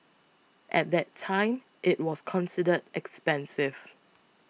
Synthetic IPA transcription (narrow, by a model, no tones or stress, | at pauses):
ʔɛ̰t̚dɛtʰãɪ̃m | ʔɪt̚wɔskʰɔ̃nsidədɛkspɛ̃nsɪv̥